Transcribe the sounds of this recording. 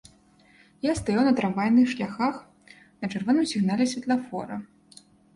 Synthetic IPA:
jast̪ajawnɐt̪ɾavajʲnɨxʂlʲaxax | nɐt͡ʂɨrvɔnɨmsʲiɣnalʲɛsʲvʲɐt̪lˠafɔɾɐ

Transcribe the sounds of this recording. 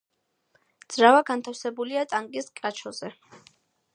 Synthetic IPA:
d̪z̥ɾavaɡant̪ʰafsɛbuliat̪ʼaŋkʼiskʼɾat͡ʃʰɔzɛ

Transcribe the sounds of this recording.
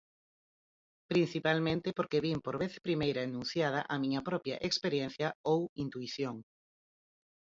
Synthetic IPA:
pɾin̟θipalmẽnt̪ɪpoɾkeβimpoɾβeθpɾimejɾɐenũn̟θjað̞ɐʔɐmĩɲɐpɾɔpjɐ̰ʔekspeɾjen̟θjɐowint̪uiθjoŋ

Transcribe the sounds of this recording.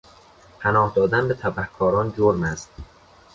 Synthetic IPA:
pʰænɒːhd̪ɒːd̪ænbe̞t̪ʰæbæhkʰːɒːɾɒːnd͡ʒoɾmæst̪

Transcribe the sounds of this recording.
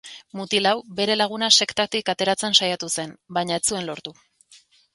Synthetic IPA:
mut̪ilawbe̞ɾe̞laɣ̞unase̞kt̪at̪ikat̪e̞ɾat͡se̞nsajat̪use̞nbajɲaet͡sue̞nlo̞ɾt̪u

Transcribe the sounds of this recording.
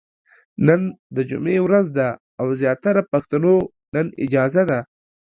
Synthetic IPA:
nənd̪əd͡ʒʊ̰mewɾazd̪aː | wzjɑt̪aɾapaxt̪ano | nənɪ̰d͡ʒɑzad̪a

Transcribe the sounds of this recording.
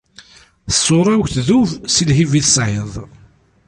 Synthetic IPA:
θəsˤːoɾˤæwçθðuvsilɦiviθəsʕeðˤ

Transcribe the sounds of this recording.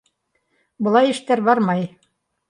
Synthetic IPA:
bɤ̆lˠɑjɘ̆ʃt̪æɾbɑɾmɑj

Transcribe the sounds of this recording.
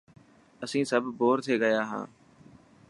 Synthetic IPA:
əsĩːsəbʱboːɾt̪ʰeːɡəjaːɦã̰ː

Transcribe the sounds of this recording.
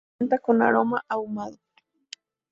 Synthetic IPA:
nt̪akona̰ɾomaʔawmaðo

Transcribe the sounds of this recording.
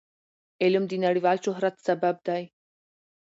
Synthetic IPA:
elumd̪inaɽiʋalɕoɦɾat̪səbəb̚d̪aj

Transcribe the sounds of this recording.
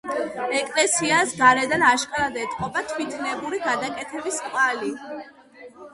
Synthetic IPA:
ɛkʼlɛsiasɡaɾɛd̪anaʃkʼaɾad̪ɛt̪ʼqʼɔpat̪ʰwit̪ʰnɛbuɾiɡad̪akʼɛt̪ʰɛbiskʼvali

